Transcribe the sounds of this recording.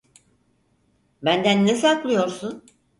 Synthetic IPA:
bænd̪ænːesaklˠɯjo̞ɾsun

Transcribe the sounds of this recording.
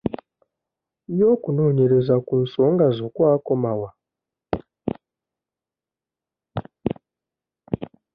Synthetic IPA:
joːkuno̞ːɲeɾezakunso̞ːŋɡazokwaːko̞mawa

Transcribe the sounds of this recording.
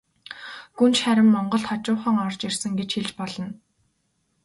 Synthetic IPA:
ɡunt͡ɕχæɾʲɪ̆mːɔɴɢɞ̆ɮt̪χɔt͡ɕʊːχə̆ŋɔrt͡ɕirsɘ̆ŋɡet͡ɕxiɮt͡ɕpɔɮɞ̆n

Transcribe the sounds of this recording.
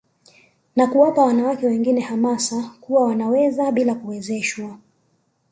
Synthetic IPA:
nakuwapawanawakɛwɛŋɡinɛhamasakuwawanawɛzaɓilakuwɛzɛʃwa

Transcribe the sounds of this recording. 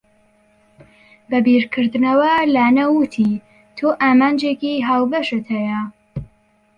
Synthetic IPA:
bɐbiɾkʰɨɾd̪nɐwɐlaːnɐwɨt̪ʰi | t̪ʰoːʔaːmaːnd͡ʒeːkiɦaːwbɐʃɨt̪hɐjɐ

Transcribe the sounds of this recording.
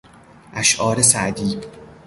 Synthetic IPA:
ʔæʃʔɒːɾesæʔd̪iː

